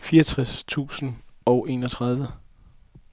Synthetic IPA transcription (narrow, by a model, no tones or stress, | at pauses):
fiːɐt͡sʰʁɛst͡sʰṵːsn̩ɒ̽ʊʔe̝̰ːnɒt͡sʰʁɑð̞ˠʋə